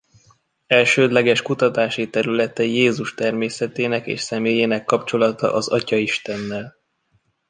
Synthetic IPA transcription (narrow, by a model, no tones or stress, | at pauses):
ɛlʃøːd̪lɛɡɛʃkut̪ɒt̪aːʃit̪ɛɾylɛt̪ɛjeːzuʃt̪ɛrmeːsɛt̪eːnɛkḛːʃsɛmeːjeːnɛkːɒpt͡ʃo̞lɒt̪ɒ̰ʔɒzɒcɒiʃt̪ɛnːɛl